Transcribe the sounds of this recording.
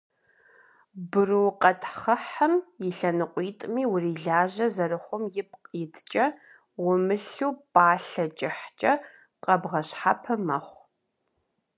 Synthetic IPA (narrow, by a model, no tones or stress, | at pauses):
bɨrɨwqʼɐtʰχɐħɐmjɪɬɐnɨqʷʼiːtʼmiːwʊriːɮaːʒɐzɐrɨχʷʊmjɪp̚ʰqʼjɪtʰt͡ʃʼɐ | wʊmɨɬuːpʼaːɬɐt͡ʃʼɪħt͡ʃʼɐ | qʼɐbʁɐɕħapʰɐmɐχʷ